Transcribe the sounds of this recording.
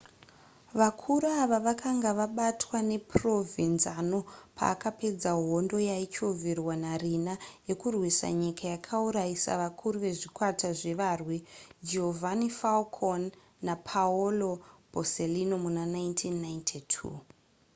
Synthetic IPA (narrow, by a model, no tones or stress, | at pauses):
ʋakʰuɾuaʋaʋakʰaŋɡaʋaɓatʰwane̞pro̞vinzano̞pʰa̰ːkape̞d͡zaɦo̞ndo̞jait͡ʃovirwanarinaje̞kurwisa̰ɲikʰajakʰauɾajisa̰ʋakʰuɾuʋe̞ʐikwatʰaʐe̞ʋaːrwid͡ʒeovʱanifalkʰonː | apʰaolo̞b̥ʱoselinomunanaintʰinːajntʰitʰṵː